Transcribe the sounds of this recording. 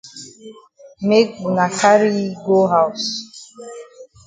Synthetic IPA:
me˦k̚bu˨na˨ka˦ɾi˦ɡo˦ɦa˨ws

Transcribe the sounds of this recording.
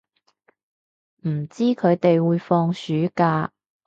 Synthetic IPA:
m̩˨˩t͡siː˥kʰɵ˨˧ɥt̪e˨jwuː˨˧jfɔː˧ŋsyː˨˥kaː˧

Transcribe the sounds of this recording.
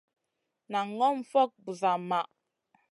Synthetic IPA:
na˨ŋɔ˦m̩˦˨fɔ˦k̚bu˨za˨ma˨ʔ

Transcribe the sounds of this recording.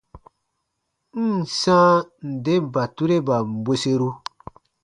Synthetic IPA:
n̩˦˨sã˦n̩˨de˦m˨ba˨tu˦ɾe˦ba˨m̩˨be˦se˦ɾu˦

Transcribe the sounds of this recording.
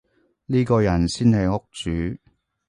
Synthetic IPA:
niː˥kɔː˧jɐ˨˩nsiː˥nhɐ˨jŋʊ˥k̚t͡ʃyː˨˥

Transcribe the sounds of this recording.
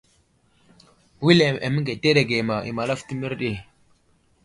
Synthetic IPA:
wi˦le˨ḛ˨mi˦ɡe˨te˦ɗe˨ɡe˨ma˨ʔḭ˨ma˨la˦fti˦mi˦ɾɗi˦˨

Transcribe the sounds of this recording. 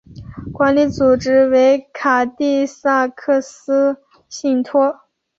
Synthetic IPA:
kwa˧˥nli˧˥t͡su˨˩ʈ͡ʂɻ̩˥we˧˥ɪkʰa˨˩t̪i˥˧sa˥˧kʰɤ˥˩sɹ̩˥ | ɕi˥˩ŋt̪ʰwɔ˥

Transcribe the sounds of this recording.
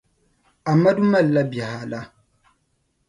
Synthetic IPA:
a˨mːa˦du˦ma˦˨lːa˦ba˨ha˨la˦

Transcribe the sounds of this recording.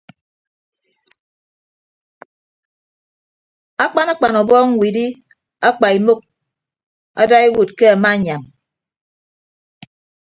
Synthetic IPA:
a˦k͡pa˦na˦k͡pa˨nɔ˨bɔː˦ŋ̩˦wi˨di˦ | a˦k͡pa˨i˨mo˦k̚ | a̰˦da˦e˦wu˨t̚ke˦a˨ma˦˨ɲa˨m

